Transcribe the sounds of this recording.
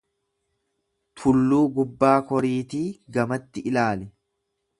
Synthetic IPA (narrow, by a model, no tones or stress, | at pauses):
t̪ʰʊlːuːɡʊbːaːkɔɾiːt̪iːɡɐmɐt̪ːɪʔɪlaːlɛ